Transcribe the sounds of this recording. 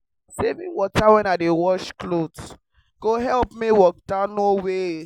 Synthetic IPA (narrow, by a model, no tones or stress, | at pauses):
sevĩnwɔtawɛ̃nadewɔʃklods | ɡ̥oɦɛlpmiwɔk̚dãnowe